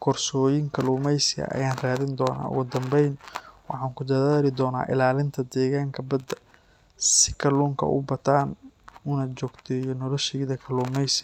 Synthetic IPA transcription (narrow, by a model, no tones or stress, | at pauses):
kʰɔrsɔːjɪŋkʰɐluːmɛjsɪɐ̰ʔɐ̰jaːnraːðɪnd̪ɔːna̰ːʊ̰ɣʊd̪ɐmbɛjnwɑħɑːŋkʊd̪ɐðaːlɪd̪ɔːna̰ːʔɪ̰laːlɪnt̪ʰɐd̪ɛːɣaːŋkʰɐbɐd̪ɐ | sɪ̥kʰɐluːŋkʰɐ̰ʔʊ̰bɐt̪ʰaːnʊnɐt͡ʃɔːɡt̪ʰɛːjɔnɔlɔʃɛːðɐkʰɐluːmɛjsɪ